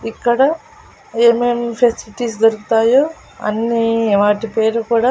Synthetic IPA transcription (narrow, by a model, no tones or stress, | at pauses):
ikːɐɽɐ | eːmempʰesiliʈiːsd͡ʒɐɾuku̥t̪aːjoː | ɐ̰nːiʋaːʈipeːɾukuːɽaː